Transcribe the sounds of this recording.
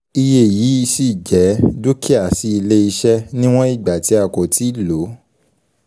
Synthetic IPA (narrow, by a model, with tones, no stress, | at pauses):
i˧je˦˨ji˨˦i˧si˦˨d͡ʒɛ˨˦du˦ki˦a˨si˧˦i˧le˦i˧ʃɛ˦nĩ˦w̃ɔ̃˦i˦˨ɡ͡ba˨ti˨˦a˦˨ko˨ti˨˦˨lo˨˦